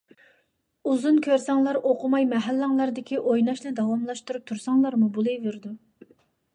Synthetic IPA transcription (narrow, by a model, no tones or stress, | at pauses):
uzunkʲʰøɾsɑŋlˠɑɾoqʰʊmɑjmɛɦælːæŋlˠɑɾd̪ɪkʲʰiʔojnɑʃnɛd̪ɑwɑmlˠɑʃt̪uɾup̚t̪ʰuɾsɑŋlˠɑɾmubulˠɨjveɾd̪u